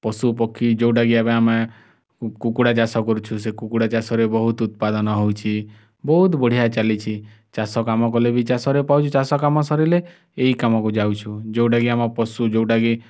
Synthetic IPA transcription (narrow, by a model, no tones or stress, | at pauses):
pɔsupɔkʰːid͡ʒowɖaɡiabeame | kukuɽat͡ʃasɔkɔɾut͡ʃʰus̬ekukuɽat͡ʃasɔɾebɔɦut̪ut̪̚pad̪ɔnɔɦowt͡ʃʰi | bɔɦut̪bɔɽ̤ijat͡ʃalit͡ʃʰi | t͡ʃasɔkamɔkɔlebit͡ʃasɔɾepawt͡ʃʰut͡ʃasɔkamɔsɔɾileː | ikamɔkud͡ʒawt͡ʃʰud͡ʒewɖaɡiamɔpɔsud͡ʒowʈaɡi